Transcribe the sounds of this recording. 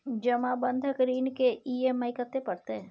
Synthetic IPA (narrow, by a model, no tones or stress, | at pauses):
d͡ʒəmãbə̃nd̪ʱəkəɾiːnkeʔiːemaɪkət̪ːepəɽt̪eɦɛ̃